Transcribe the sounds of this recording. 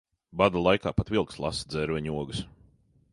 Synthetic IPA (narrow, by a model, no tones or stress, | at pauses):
bad̪ulˠajkaːpat̪vilˠkslˠa̰sd̪zɛɾvɛɲuɔɡɨs